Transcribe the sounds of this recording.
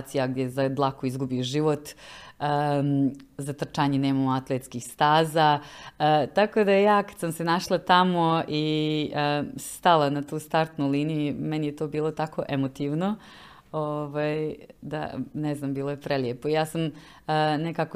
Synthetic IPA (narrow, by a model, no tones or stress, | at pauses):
t̪sijaɡd̪ʲjezad̪lˠakoizɡubioʒiːʋo̞t̪ə | zat̪r̩t͡ʃaːɲene̞ːmamoat̪lˠet̪skixst̪aːzaət̪ako̞d̪ajejaːkḁd̪̥samse̞naʃlˠat̪amoiəst̪alˠanat̪uːst̪aɾt̪nulinijumenijet̪o̞ːbiːlˠo̞t̪akoʔemot̪iʋno | oʋajd̪a̰neznambiːlˠojepɾeljepoijaːsam | nekako